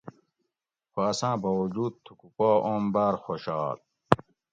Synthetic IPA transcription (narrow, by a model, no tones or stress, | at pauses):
xoɐsãːbɐwud͡ʑuːd̪̚t̪ʰukukoːʔombaːɾxoɕɑːl